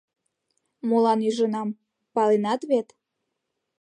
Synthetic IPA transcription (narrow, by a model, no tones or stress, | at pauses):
molɑnyʒənɑm | pɑlenɑt̪βet̪